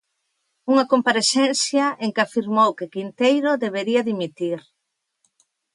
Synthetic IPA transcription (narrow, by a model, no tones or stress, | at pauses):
uŋɐkompaɾesɛnθjɐʔeŋkafiɾmowkɪkint̪ejɾoðeβeɾiɐðimit̪iɾ